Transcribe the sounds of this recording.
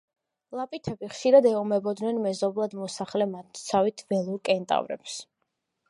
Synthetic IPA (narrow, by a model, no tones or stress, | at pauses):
lˠapʼit̪ʰɛbiχʃiɾad̪ɛɔmɛbɔd̪nɛnmɛzɔblˠad̪mɔsaχlɛmat̪ʰt̪sʰavit̪ʰvɛlˠuɾkʼɛnt̪ʼa̰vɾɛ̰ps